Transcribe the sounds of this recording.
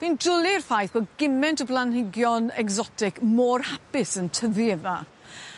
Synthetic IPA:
v̥indʊlˠɪrfajθb̥oɡɪmɛntəblˠanhɪɡjɔnɛɡzɔtʰɪkmoːrhapɪsəntʰəviɛða

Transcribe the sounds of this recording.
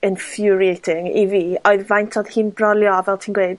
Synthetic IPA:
ɪnfjʊɾiejtʰɪŋḭviːɔɨðvajntʰɔð̥hiːnbrɔlˠjɔvɛlˠtʰiːnɡweɨd̥

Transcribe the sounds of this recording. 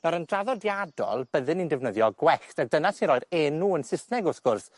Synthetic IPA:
nɔɾəndraðɔdjadɔ̰lˠb̥əðɨnindɛvnəðjɔɡwɛxtak̚d̥ənasinɾɔjɾɛnuːənsɪsnɛɡʊsɡ̥ʊrs

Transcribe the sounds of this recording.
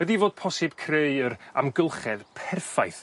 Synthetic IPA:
ɛdivoːd̥̚pʰɔsɨb̥̚kʰreɨəɾa̰mɡəlˠχɛðpʰɛrfajθ

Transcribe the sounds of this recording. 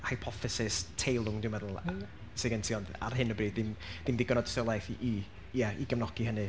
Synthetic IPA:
hajpʰɔfɪsɪstʰejlˠʊŋdɪwmɛðl̩ˠ | seɡəntʰiɔnda̰rɦɪnəbriːd̚dɪmd̥ɪmdiɡənɔdstəlˠajθiʔi | jaiɡəvnɔɡ̥iɦənɨ

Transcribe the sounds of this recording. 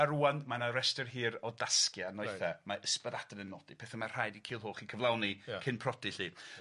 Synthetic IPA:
aɾuːanmanaɾɛstərɦiːɾɔdaskjanɔɨθamaʔəspəðad̥ənənːɔd̥ipʰeːθamar̥ajdikʰiːlˠɦoːχikʰəvlˠawnikʰɪnpʰrɔdiɬiː

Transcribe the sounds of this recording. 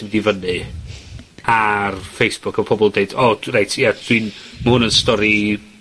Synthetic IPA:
ɪmdivənɨ | arfejsb̥ʊkʰɔpʰɔbɔlˠdejdɔrajtʰjad̥winməhʊnənstɔɾi

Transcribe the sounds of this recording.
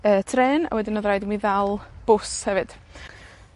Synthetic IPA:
əːtʰrɛːna̰wɛdɪnɔðrajdɪmiðalˠb̥ʊshɛvɨd̥

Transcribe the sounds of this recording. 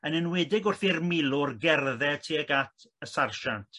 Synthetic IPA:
ənənwɪdɪɡʊrθirmɪlˠʊrɡɛrðɛtʰiəɡatʰəsarʃantʰ

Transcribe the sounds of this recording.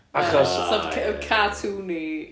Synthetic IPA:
aχɔssɔbkʰkʰatʰuːni

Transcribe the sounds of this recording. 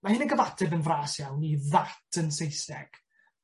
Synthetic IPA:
mahɨnəɡəvatʰɛvənvraːsjawniðatʰənsejsɛɡ̥

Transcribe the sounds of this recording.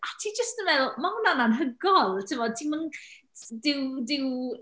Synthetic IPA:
atʰid͡ʒəstənvɛðmahʊnananɦəɡɔlˠtʰɪvɔtʰimən | dɪwdɪw

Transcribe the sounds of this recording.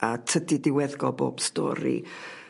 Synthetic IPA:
atʰədidɪwɛðɡɔbo̰ːb̥stɔ̰ːɾḭ

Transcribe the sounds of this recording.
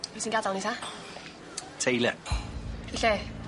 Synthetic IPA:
visinɡadalnitʰa | tʰejlɛ | ɪɬɛ

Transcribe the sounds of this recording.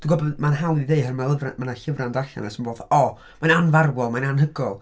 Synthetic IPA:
d̥uɡɔbɔdmanɦalˠiðeɨɦərmalˠəvramanaɬɪvrandaɬɛ̰nɛsənboːðɔ | majnanvarwɔlˠmajnanhəɡɔlˠ

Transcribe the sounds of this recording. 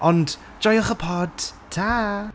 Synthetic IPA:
ɔnd | d͡ʒɔjɔχəpʰɔd̥tʰːa

